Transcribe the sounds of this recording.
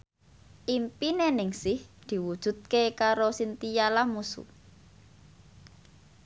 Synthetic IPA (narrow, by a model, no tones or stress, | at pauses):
ʔimpinenɪŋsɪhd̪̥i̤wud̥ʒ̥ṳt̪̚kekaɾosint̪ijalamusṵ